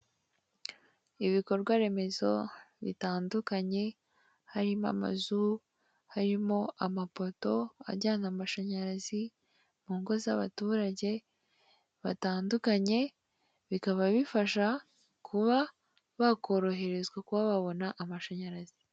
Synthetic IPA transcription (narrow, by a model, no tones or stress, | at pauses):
iβiko̞ɾɾɡwaɾe̞me̞zo̞̰βḭtaːndukaɲe̞ | haɾima̰ma̰zu | haɾimo̞amapo̞to̞a̰ɟaːnamaʃaɲaɾazi | muːŋɡo̞zaβa̰tuːɾaɟe̞ | βataːndukaɲe̞ | βikaβaβifaʃa | kʰuβa | βako̞ɾo̞ɦe̞ɾe̞zɡakuβaβaβo̞naʔamaʃaɲaɾazi